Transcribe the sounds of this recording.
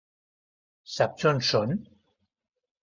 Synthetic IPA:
sap̚t͡sʰɔnsʊn

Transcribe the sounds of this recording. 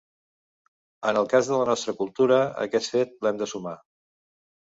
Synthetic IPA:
ənəlˠkazðələnɔst̪ɾəkulˠt̪uɾəə̰kɛt̪fet̪̚lɛmd̪əsuma

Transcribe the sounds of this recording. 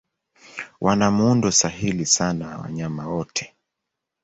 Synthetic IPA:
wʔanamundɔsaɦilisanaw̰wa̰ɲamawɔtʰɛ̥

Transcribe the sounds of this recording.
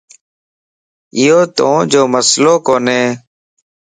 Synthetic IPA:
ɪjoːt̪õːd͡ʒoːməsloːkoːneː

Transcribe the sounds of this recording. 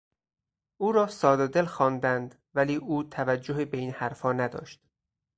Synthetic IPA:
ʔuːɾɒːsɒːd̪ed̪elxɒːnd̪ænd̪ | væliːʔuːt̪ʰævæd͡ʒːoɦebeiːnhæɾfɒːnæd̪ɒ̰ːʃt̪

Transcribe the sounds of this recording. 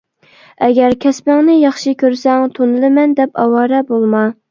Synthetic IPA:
ɛɡʲɛɾkʲʰɛspɪŋnɪjɑχʃikʲøɾsɛŋt̪ʰonɨlˠɨmɛnd̪ɛpɑ̰wɑːɾɛbolˠmɑ

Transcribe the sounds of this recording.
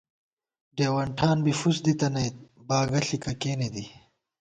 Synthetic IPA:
ɖeːwɐɳʈʰaːnbifusd̪it̪ɐnɐj | baːɡɐɬikɐkeːned̪i

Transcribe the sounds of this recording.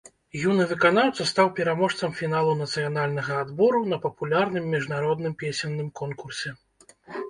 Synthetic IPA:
junɨvɨkanawt̪sɐst̪awpʲɛɾamɔʂt̪sɐmfʲinalˠunɐt̪sɨjanalʲnɐɣɐːd̪bɔɾunɐpɐpulʲarnɨmːʲiʐnaɾɔd̪nɨmpʲesʲɛnːɨmkɔnkursʲɛ

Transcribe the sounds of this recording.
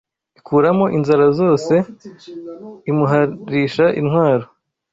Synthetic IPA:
ikʰuːɾamo̞ʔinzaɾazo̞ːse̞ | imuɦaɾiʃaʔinhwaːɾo̞

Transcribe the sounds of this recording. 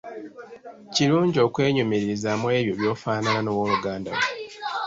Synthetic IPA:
ciɾuːɲɟo̞ːkwe̞ːɲumeɾiɾizamwe̞ːβjo̞βjo̞ːfaːnananowo̞ːluɡaːnda̰we

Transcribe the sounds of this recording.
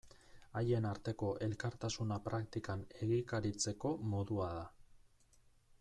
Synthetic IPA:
aje̞naɾt̪e̞ko̞ʔe̞lkaɾt̪asunapɾakt̪ikane̞ɣikaɾit͡se̞ko̞mo̞ðuaða

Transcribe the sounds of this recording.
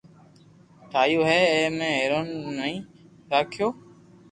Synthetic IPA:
ʈ̪ʰaːjoːɦɛːmẽːɦeːɾoːnːəĩː | ɾaːkʰɪjoː

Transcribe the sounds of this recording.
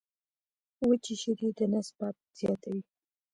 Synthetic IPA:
wət͡ʃiʃiɾid̪ənaspat̪̚z̥jɑt̪awi

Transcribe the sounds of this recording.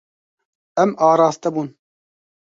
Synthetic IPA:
ɛmɑːɾɑːst̪ɛbuːn

